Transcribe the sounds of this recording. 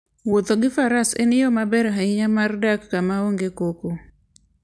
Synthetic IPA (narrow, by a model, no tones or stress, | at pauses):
wot̪oɡɪfaɾasḛnɪjɔmabɛɾɦaiɲamardakːamaoŋɡekoko